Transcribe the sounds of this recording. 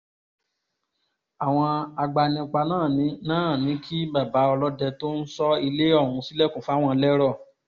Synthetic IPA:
a˨w̃ɔ̃˧a˧ɡ͡ba˧nĩ˧k͡pa˧nãː˦˨nĩ˨˦nãː˦˨nĩ˨˦kʰi˦ba˦˨ba˨˦ɔ˧lɔ˦dɛ˧to˦n̩˦sɔ˦i˧le˦ɔ˦˨wũ˨˧si˦lɛ˦˨kũ˨fa˨˦w̃ɔ̃˦˧lɛ˦ɾɔ˦˨

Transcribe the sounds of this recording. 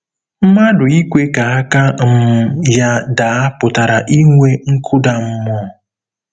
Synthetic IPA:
m̩˦ma˦dʊ˨i˦kʷe˦ka˨a˦ka˦m̩˦mʊ˨ja˦da˨a˦pʊ˨ta˨ɾa˨ʔi˦ŋʷe˦ŋ̩˦kʰʊ˦da˨m̩˦mɔ˦˨

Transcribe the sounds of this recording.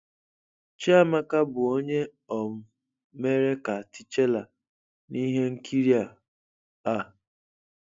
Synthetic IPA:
t͡ʃe˦a˦ma˦ka˦bʊ˨o˦ɲe˦ | ɔ˨m̩˨ | me˦ɾe˦ka˨a˨tɪ˦t͡ʃe˦la˨ | ni˦ɦe˦ŋ̩˦kʰi˦ɾi˦a˨ | a˦˨

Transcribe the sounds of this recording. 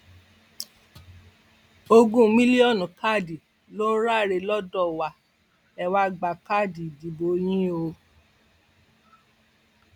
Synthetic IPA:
o˧ɡũ˦mĩ˦li˦ɔ˦˨nũ˨ka˦˨di˨ | lo˦ɾa˦˨ɾe˧lɔ˦dɔ˦˨wa˨ | ɛ˨wa˧˦ɡ͡ba˨ka˦˨di˨di˨bo˨˦j̃ĩ˦o˧

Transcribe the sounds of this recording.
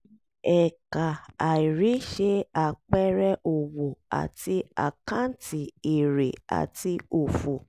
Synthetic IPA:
ɛ˨ka˨a˨i˨ɾi˨˦ʃe˧a˨k͡pɛ˦ɾɛ˦ʔo˨wo˨a̰˨ti˧a̰˨kã˦n̩˦ti˨i˨ɾe˨a̰˨ti˧o˨fu˨

